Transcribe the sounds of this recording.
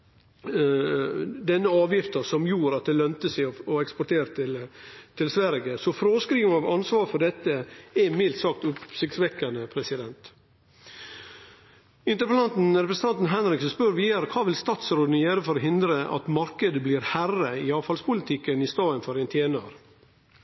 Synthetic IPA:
d̪ɛnːəɑːʋjɪft̪əsɔmjuːɾɑt̪̚d̪ɛlœnt̪əsæɪɔɔɛkspɔʈʰeːɾt̪ʰɪlt̪ʰɪlsʋæɾɡəsɔfɾoːskɾiːɡənɑʋɑnsʋɑːɾfɔɖɛt̪ːəɛmɪlt̪sɑːk̚t̪ʊpsɪt̪sʋɛkːɑnəpʰɾɛsɪd̪ɛnt̪ | ɪnt̪əɾpəlɑnt̪n̩ɾɛpɾəsn̩t̪ɑnt̪n̩ɦɛnɾɪksən̩spœɾʋiːɑɾəkʰɑːʋɪlst̪ɑːt̪sɾoːd̪njøːɾəfɔɾɔɦɪnd̪ɾəʔɑ̰t̪mɑɾkəd̪əbliːɾhærəɪɑːʋfɑlspʰʊlɪt̪ʰɪkːənɪst̪ɑːənfɔɾɛnt̪ʰjeːnəɾ

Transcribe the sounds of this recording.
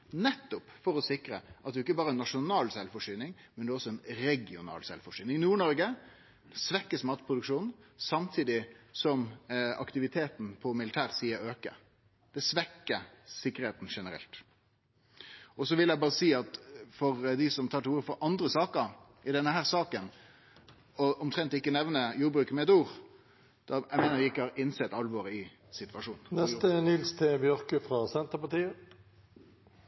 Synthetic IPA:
nɛt̪ːʊpfɔɾɔsɪkɾəʔɑt̪̚d̪ɛʊɪkːəbɑːɾəɛnːɑʂʊnɑːlsɛlfɔʂyːnɪŋmɛnd̪ɛɔsːɔɛnɾɛɡɪʊnɑ̰ːlsɛ̰lfɔʂyːnɪŋnuːɳɔɾɡə | d̪sʋɛkːəsmɑːt̪pʰɾʊd̪ʉkʂuːnn̩sɑmt̪ʰiːd̪ɪsɔmɑ̰kt̪ɪʋɪt̪ʰeːt̪n̩pʰɔmɪlɪt̪ʰæːʁsiːəɾøːkə̰ | d̪̥ɛsʋɛkːəsɪkːəɾeːt̪n̩ʂɛnəɾɛ̰lt̪ | ʔɔsɔʋɪljæɪbɑːʁəsiːɑt̪fɔʁd̪ɪsɔmt̪ʰɑːʈʰɪuːɾəfɔɾʔɑnd̪ʁəsɑːkəɾ | ɪd̪ɛnːəhæːʁsɑːkən | ɔʔɔmt̪ʰɾɛnt̪ɪkːənɛʋnəjuːɾbɾʉːkmɛɛt̪uːʁ | d̪̥ɑæ̰ɪmeːnəɾʋɪɪkːəhɑːɾɪnsɛt̪ɑlʋoːɾɪ | sɪt̪ʋɑʂuːnn̩nɛst̪ənɪlst̪ʰɪbjœɾkəfɾɑːsɛnt̪əpɑʈ̪iːə

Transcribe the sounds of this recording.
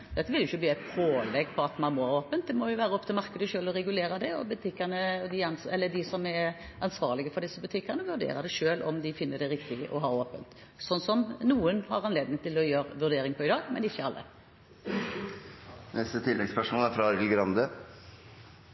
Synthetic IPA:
d̪ɛt̪ːəʋɪljʊɪçːəbliːæɪt̪pʰoːlɛɡpʰɔɑt̪mɑnmɔhɑːɾoːpənt̪̚d̪ɛmɔjʊʋæːɾəɔp̚ːt̪ʰɪlmɑʁkəd̪əʃøːlɔɾɛɡʉleːɾɑd̪ɛɔ̰bʉt̪ʰɪkːənəd̪ɪɑnɛlːəd̪ɪsɔmɛ | ʔɑnsʋɑ̰ːʁlɪɡəfɔɾɖ̪ɪsːəbʉt̪ʰɪkːəʁnəʋʉɾd̪ḛːɾʁɑd̪ɛʃøːlʔɔmd̪ɪfɪnːəɖɛɾɪkt̪ɪʔɔ̰ɦɑːɾoːpənt̪ | sɔnsɔmnuːənhɑʁɑnleːd̪nɪŋt̪ʰɪlɔjøːɾʋʉɾd̪eːɾɪŋpʰɔɪd̪ɑːɡmɛ̰nɪçːəɑlːə̰ | nɛst̪ət̪ʰɪlːɛɡspœʂmɔːlæɾfɾɑɑɾɡlɡɾɑnd̪ə

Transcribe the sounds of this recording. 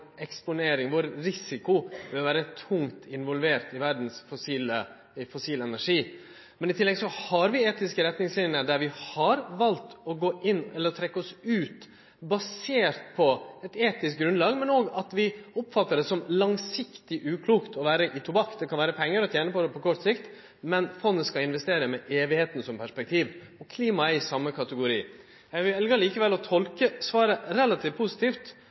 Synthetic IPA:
ɛkspʊneːɾɪŋʋɔɾɾɪsɪkʊʋɪlʋæːɾət̪ʰʊŋt̪ɪnʋɔlʋeːɾt̪ɪʋæɾd̪n̩sfʊsiːlə | fʊsiːləɛnæʂiː | mɛnɪt̪ʰɪlːɛɡsɔhɑɾʋɪeːt̪ɪskəɾɛt̪nɪŋslɪnəɖ̪æɾʋɪhɑɾʋɑlt̪ɔɡoːʔɪnːɛlːəɾt̪ʰɾɛkːəɔsʉːt̪ | bɑseːɾt̪̚pʰɔɛt̪eːt̪ɪsk̚ɡɾʉnlɑːɡmɛnoːɡɑt̪ʋɪɔpːfɑt̪ːəɖ̪ɛsɔmlɑŋsɪkt̪ɪʔʉːkʰluːkt̪ɔʋæːɾəʔɪt̪ʰʊbɑkːd̪ɛkʰɑnʋæːɾəpʰɛŋːəɾɔt̪jæːnəpɔd̪ɛpʰɔkʰɔʈ̪sɪkt̪ | mɛnfɔnːəskɑɪnʋɛst̪eːɾəmɛʔeːʋɪheːt̪n̩sɔmpʰæʂpɛk̚t̪ʰiːʋ | ɔkʰliːmɑɛɾɪsɑmːəkʰɑt̪əɡʊɾiː | jɛʋɪɛlɡɑɾɭiːkəʋɛlɔt̪ʰɔlkəsʋɑːɾəɾɛlːɑt̪ʰiːʋpʰusɪ̥t̪iːft̪

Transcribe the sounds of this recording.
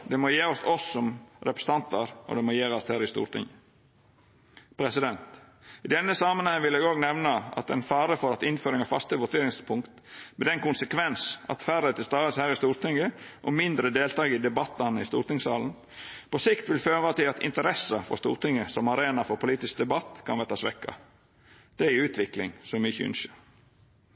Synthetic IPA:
d̪ɛmɔjeːɔsɔsːɔmɾɛpɾə̥st̪ɑnt̪ɑɾɔ̰d̪ɛmɔjeːɾɑst̪hæːɾɪst̪ṵːɾt̪ʰɪ̰ŋə | pʰɾɛsɪd̪ɛnt̪ɪd̪ɛnːəsɑmənhɛŋəʋɪlɛɡoːɡnɛʋnəɑ̰t̪ɛ̰nfɑːɾəfɔɾɑt̪ɪnføːɾɪŋɑfɑ̰st̪əʋʊt̪ʰeːɾɪŋspʰʊŋkt̪mɛd̪ɛnkʊnsəkʰʋɛnsɑ̰t̪fæɾət̪ʰɪlst̪ɑːəshæːɾɪst̪uːɾt̪ɪŋɡəʔɔmɪnd̪ɾəd̪eːlt̪ʰɑːɡɪd̪ɛbɑt̪ːɑnəɪst̪ṵːɾt̪ɪŋsɑːln̩ | pʰɔsɪkt̪ʋɪlføːʁɑt̪ɪlɑt̪ɪ̰nt̪əɾɛsəfɔ̰ɾst̪ṵːɾt̪ɪŋːəsɔmɑɾeːnɑfɔɾpʰʊliːt̪ɪsk̚d̪ɛbɑt̪ːkʰɑnʋæʁt̪ɑsʋɛ̰kːɑ̰ | d̪̥ɛʉːt̪ʰʋɪklɪ̰ŋsɔmʏçəʉ̰nʃəɾ

